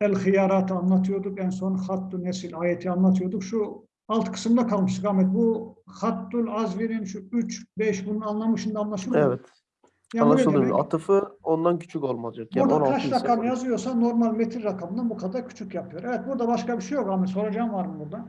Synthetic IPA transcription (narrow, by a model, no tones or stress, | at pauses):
ælʲxijaːɾat̪ʰɯanlˠat̪ʰɯjo̞d̪ukɛnso̞nxat̪ːunesilʲaːjet̪ʰianlˠat̪ʰɯjo̞ɾd̪ukʃu | alˠt̪kʰɯ̥sɯmd̪akʰalˠmɯʃɯkamɛt̪̚buxat̪ːulʲˠazveɾinʃuyt͡ʃbɛʃbununanlˠamɯʃɯnd̪aːnlˠat̪ʰɯjoɛvɛt̪ | jaːa̰a̰t̪ʰɯfɯond̪ancʰy̥t͡ʃʰykolˠmazd͡ʒakbuɾd̪kʰaɾʃɾakʰamɯjazɯjo̞ɾsano̞ɾmalʲmet̪ʰiɾːakʰamɯnd̪abukʰad̪aɾcʰy̥t͡ʃʰycjapʰɯjo̞ɾevɛt̪̚buɾd̪abaʃkabiʃejo̞kamɛso̞ɾad͡ʒamvaɾmɯbuɾd̪a